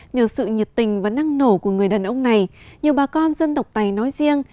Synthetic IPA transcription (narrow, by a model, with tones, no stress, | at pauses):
ɲəː˧˩sɨ̰˧˨ɲi˨˩t̚t̪ï˨˩ŋ̟vaː˨˩na˧ŋno˧˩ku˧˩əŋɨ˨˩əjɗaː˨˩nʔə˧wŋ͡mna˨˩jɲɨ˨˩əwɓaː˨˩kɔ˧nzə˧nt̪ə˨˩wk͡p̚t̪a˨˩jnɔ˨˦jzi˧əŋ